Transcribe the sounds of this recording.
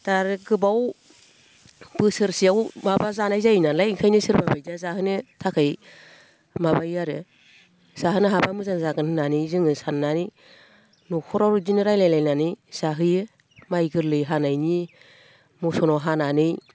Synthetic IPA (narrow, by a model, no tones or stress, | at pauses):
d̥aɾɯɡɯbaw | b̥ɯsɯɾsiawmabazanajzajnalajŋkʰajnɯsɯɾbabajzazahɯnɯtʰakʰɯj | mabajaɾɯ | z̥aɦɯnɯɦabamɯzanzaɡɯnhɯnanɯjzɯŋɯsanːanɯj | nukʰɔɾaɾzinɯɾajlajlajnanɯjz̥aɦɯj | majɡɯɾlɯjɦanajni | mɔsɔnɔɦananɯj